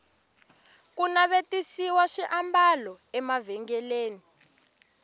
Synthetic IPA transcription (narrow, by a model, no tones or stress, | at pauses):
kunaβetisiwaʃiʔambalɔ | ɛmavɛŋɡɛleːni